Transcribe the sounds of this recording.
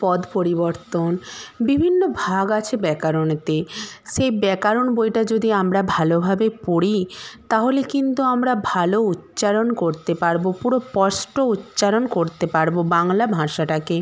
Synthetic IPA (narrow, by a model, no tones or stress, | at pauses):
pɔd̪poɾiboɾt̪onbibʱinːobʱaɡat͡ɕʰebɛkaɾont̪eʃejbɛkaɾonbojʈad͡ʑod̪iamɾabʱalobʱabepoɽit̪aɦolekint̪uamɾabʱalout̪ːɕaɾonkoɾt̪epaɾbopuɾopɔsʈout̪ːɕaɾonkoɾt̪epaɾbobaŋlabʱãʃaʈake